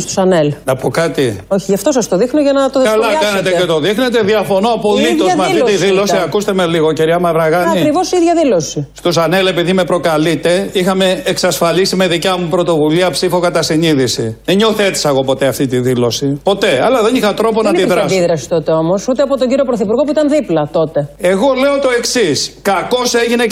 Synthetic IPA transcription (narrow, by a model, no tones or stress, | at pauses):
st̪o̥sɐnelnɐpokɐt̪ioçiʝɐft̪osɐst̪oðixnoʝɐnɐt̪oðekɐlɐkɐnet̪ecet̪o̞ðixnet̪̬eðiɐfo̞noɐpo̞lit̪oɐmɐft̪it̪iðilo̞siɐkust̪eme̞liɣociɾiɐmɐvɾɐɣɐnɐikɾivosiðʝɐðilosist̪osɐnele̞piðime̞pɾo̞kɐlit̪e̞ixɐme̞eksɐsfɐlisime̞ðicɐmupɾo̞t̪o̞vuliɐpsifokɐt̪ɐsiniðisḭðeɲo̞θe̞t̪i̥sɐɣo̞po̞t̪eɐft̪it̪iðilo̞sipo̞t̪e̞ɐlɐðenixɐt̪ɾo̞po̞nnɐiðɾɐsiðɾɐsi̥t̪ot̪eomosut̪eɐpot̪oɲɟiɾiopɾoθipuɾɣo̞puit̪ɐnðiplɐt̪o̞t̪e̞e̞ɣo̞le̞ot̪o̞e̞ksiskɐko̞seʝine